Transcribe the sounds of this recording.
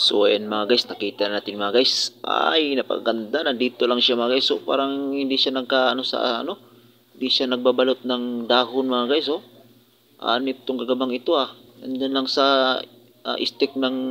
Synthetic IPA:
sʊ̰waʔanmɐŋaɡajsnɐkiːt̪annaːt̪ɪŋmɐŋaɡajsa̰jnɐpɐ̰kaɡand̪anad̪iːt̪olaŋʃamɐŋaɡajsopa̰ːɾaŋhɪnd̪ɪʃanɐɡ̚kaɐnosa̰ɐ̰no | hɪnd̪iʃanɐɡ̚babalot̪̚naŋd̪aːɦʊnmɐŋaɡajs̬o | ʔa̰nɪt̪ːoŋkaɡabaŋɪt̪oaand͡ʒanlaŋsa | ʔa̰ʔɪ̰st̪ɪk̚naŋ

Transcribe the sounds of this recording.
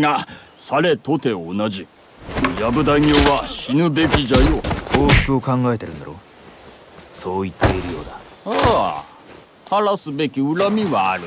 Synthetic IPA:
ŋa | saɾe̞t̪o̞t̪e̞onad͡ʑi | jabɯ̟d̪aŋʲjoːβaɕinɯ̟be̞kʲid͡ʑajokoːɕkoːkãŋɡae̞t̪eɾɯ̟nd̪a̰ɾo̞̰ | so̞ːit̪ːe̞iɾɯ̟jo̞ːd̪a | a | haɾasɨbe̞kʲiɯɾamʲiβaːɾɯ̟

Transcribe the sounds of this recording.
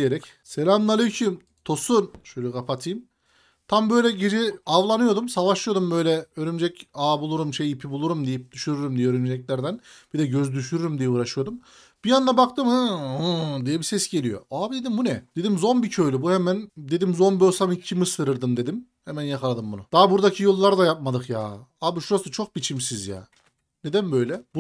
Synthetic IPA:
jeɾɛc | selʲamnˠalʲˠɯcʰim | t̪ʰo̞sunʃølʲykʰapʰat̪ʰɯjm | t̪ʰambø̞jlʲɛɟed͡ʒiavlˠanɯjo̞d̪umsavaʃɯjo̞d̪umbø̞jlʲɛøɾymd͡ʒɛcaːbulˠuɾumʃejipʰibulˠuɾumd̪ijip̚d̪yʃyɾyɾymd̪ijɛøɾymd͡ʒɛclʲæɾd̪ænb̥id̪ɛɟøzd̪yʃyɾyɾymd̪ijɛpuːɾaʃɯjo̞d̪um | b̥ijand̪abak̚t̪ɯmɯ | d̪ijɛbisɛsɟe̞lʲijo̰aːbid̪e̞d̪imbunɛd̪̥e̞d̪imzo̞nbicʰøjlʲybuhemænd̪e̞d̪imzo̞nbøsamɯcʰimɯsɯɾɯɾd̪ɯmd̪e̞d̪im | hemænjakʰalˠad̪ɯmbunud̪̥aːbuɾd̪acʰijolˠːaɾd̪ajap̚mad̪ɯkjaːabiʃuɾasɯt͡ʃʰo̞k̚bit͡ʃʰimsizja̰ː | ned̪ænbø̞jlʲɛbu

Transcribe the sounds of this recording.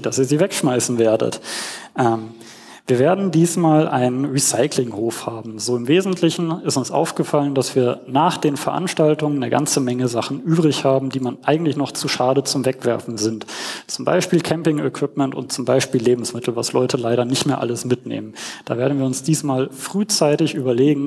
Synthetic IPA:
d̥asiːɐziːvɛkʃmaɪsn̩veːɐdə̰tʔɛm | viːɐveːɐdn̩diːsmaːlʔa̰ɪnənʁisaɪklɪŋhoːfhaːbm̩zoːɪmveːzn̩tʰlɪçn̩ɪstʊnsʔa̰ʊfɡ̥əfaləndasv̥iːɐnaːχd̥eːnfɛɐʔa̰nʃtaltʊŋənːəɡa̰nt͡səmɛŋəzaχn̩ʔyːbʁɪçhaːbm̩diːmanʔaɪɡŋ̩tlɪçnɔχt͡suʃaːdət͡sʊmvɛkv̥ɛ̰ɐfn̩zɪntt͡sʊmba̰ɪʃpiːlkʰɛmpɪŋəkʰv̥ɪpmɛntʊ̰nt̚t͡sʊmbaɪʃpiːlːeːbm̩smɪtʰl̩va̰slɔʏtəlaɪɾɐnɪçtmeːɐʔa̰ləsmɪtnḛːmənd̥aːveːɐdn̩viːɐʊnsd̥iːsmaːlfʁ̥yːt͡saɪtɪçʔyːbɐleːɡŋ̩

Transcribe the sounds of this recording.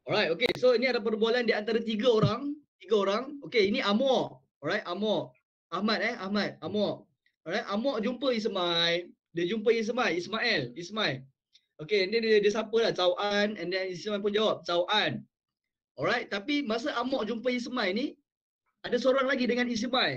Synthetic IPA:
ɔɾajt̪̚okesoiniadap̬ərbualandiant̪aɾat̪iɡaoɾaŋt̪iɡaoɾaŋokeiniʔamɔʔ | ɔɹajt̪̚amɔʔ | ahmat̪̚ɛahmat̪̚amɔʔ | ɔɾajt̪̚amɔʔd͡ʒumpəis̬maj | dəd͡ʒump̬əis̬majismaɛlismaj | okeɛndɛnədəs̬apəlaht͡ʃawʔanɛ̃ndɛnismajp̬und͡ʒawap̚t͡ʃawʔan | ɔɾajt̪̚t̪apimas̬aʔamɔʔd͡ʒumpəis̬majni | adasoɾɔɦanlaɡidəŋãnis̬maj

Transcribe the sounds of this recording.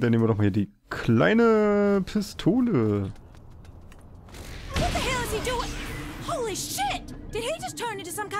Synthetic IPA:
d̥aneːmvədɔχmahiɐdiː | kʰla̰ɪnəpʰɪstʰoːlə | wʌt̪̚ðɨɦɛlˠəz̥iduɪ̃ŋhoʊlˠiʃɪt̚d̥ɨd̚id͡ʒʌstʰɜ̃˞nɪ̃ntusʌ̃mkã

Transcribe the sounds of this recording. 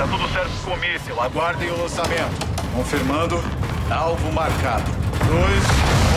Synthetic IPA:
ɐt̪od̪ʊsɛɾt̪ʊkomisjuaɡwaɾd̪ẽj̃ʊlɐ̃samẽnt̪ʊkõfiɾmɐ̃nd̪ʊ | awvʊmaɾkad̪ʊojs

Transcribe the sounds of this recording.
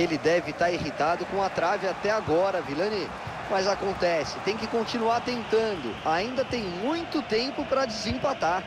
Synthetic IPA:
elɪd̪ɛvɪt̪aɾiɦit̪ad̪ʊkõɐt̪ɾavɪat̪ɛaɡɔɾɐvilɐ̃nɪ | mɐzakõnt̪ɛsɪ̥t̪ẽj̃kɪkõnt͡ʃinuaɾt̪ẽnt̪ɐ̃nd̪ʊ̰aĩnd̪ɐt̪ẽj̃mũj̃t̪ʊt̪ẽmpʊpɾɐd͡ʒɪzẽpat̪aɾ

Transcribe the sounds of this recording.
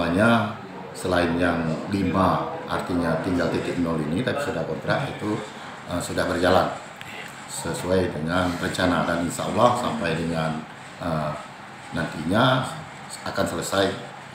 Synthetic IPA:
aɲa | səlaɪnjaŋlimaa̰rt̪iɲat̪iŋɡalt̪ikik̪̚nolinit̪apisudahkɔnt̪ɾat̪it̪u | ʔəmsudahbərd͡ʒalan | səsuajdəŋanrəɲt͡ʃanadaninsa̰a̰lahsampajdəŋan | əː | ant̪iɲa | akansələsaj

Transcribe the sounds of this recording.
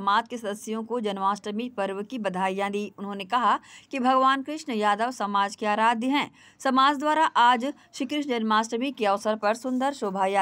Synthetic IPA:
maːd͡ʒkesɐd̪əsjõkod͡ʒɐnʋaːsʈəmipɐɾʋəkibɐd̪ʱaːjãd̪iːʊnɦõːnekɐɦakibʱɐɡʋaːnkɾɪʃnjaːd̪əʋsɐmaːd͡ʒkeaːɾaːd̪ʱjəɦɛ̃ː | sɐmaːd͡ʒd̪ʋaːɾaʔaːd͡ʒ | ʃikɾɪʃd͡ʒɐnʋaːsʈəmikeɐʋsəɾpɐɾsʊ̃nd̪əɾʃoːbʱaːja

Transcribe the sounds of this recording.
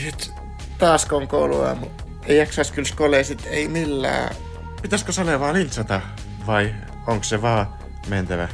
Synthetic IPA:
sit̪ | t̪ɑːskoŋkoulṵɑ̰mu | eijɑksɑˑskylskoleːˑsit̪eimilːæ̰ː | pit̪æskosɑleʋɑːlint̪sɑt̪ɑ | ʋɑi | oŋkseʋɑː | ment̪æʋæ

